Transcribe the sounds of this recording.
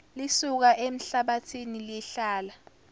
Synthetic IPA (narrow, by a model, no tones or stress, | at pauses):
lisuk̬aʔem̩ɬaɓatʰiniliɬaːla